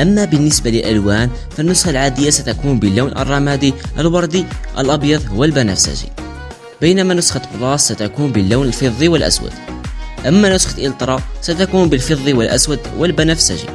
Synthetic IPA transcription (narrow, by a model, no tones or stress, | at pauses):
ʔæmːæbənːəsbaləlʔəlwæn | fənːʊsxalʕad̪əjːasæt̪ækunbəlːuwnʔə̰rˤːɑmæd̪iʔəlwɑɾˤd̪iʔə̰lʔɑbjɑðˤwəlbænæ̰fsæ̰ʒḭ | bəjnæmænʊsxɑt̪bɾˤɑsːæt̪ækunbəlːæwnəlfeðˤːiwəlʔæ̰swə̰d̪̥ʔəmːænʊsxə̥t̪ʔilt̪ˤɾˤɑsæt̪ækunbəlfɨðˤːiwəlʔæ̰swəd̪wəlbænæfsæ̰ʒḭ